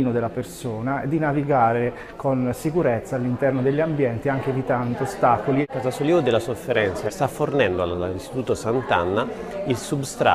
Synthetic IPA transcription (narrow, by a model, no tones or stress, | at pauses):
nod̪elːapersoːnaed̪ːinaviɡaːɾe | konsikuɾet̪sːaːlːint̪ɛrnod̪eʎːambjɛnt̪iaŋk̟evit̪and̪oost̪akolikazasoliod̪elːasofːeɾɛnt̪sast̪afːornɛnd̪oa̰list̪i̥t̪uːt̪osant̪a̰nːailsubst̪ɾa̰